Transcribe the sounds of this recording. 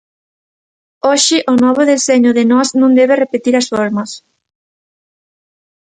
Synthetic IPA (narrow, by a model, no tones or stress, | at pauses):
oʃɪʔʊnɔβ̞ʊðeseɲʊðɪnɔznõŋd̪eβ̞ɪrepet̪iɾɐsfoɾmɐs